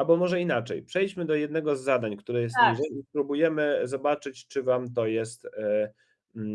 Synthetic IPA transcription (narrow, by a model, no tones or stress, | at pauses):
abɔmɔʐɛinat͡ʂɛ̰jpʂɛjʲt͡ɕmɘd̪ɔjɛd̪nɛɡɔzːad̪aɲkt̪uɾɛjɛst̪ɲiʐɛjispɾubujɛmɘzɔbat͡ʂɘt͡ɕt͡ʂɘvamt̪̬ɔjɛst̪